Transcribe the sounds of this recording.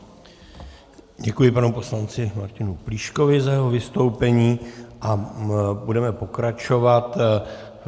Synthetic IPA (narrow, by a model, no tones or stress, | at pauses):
ɟɛkujɪpanɛupo̞slant͡sɪmaɾcɪnupliːʃko̞vɪzajɛɦo̞vɪst̪o̞wpɛɲiːʔabudɛmɛpo̞kɾat͡ʃo̞vat̪